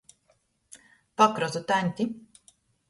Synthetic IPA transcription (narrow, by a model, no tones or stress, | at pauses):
pakɾɔzut̪anʲt̪ʲi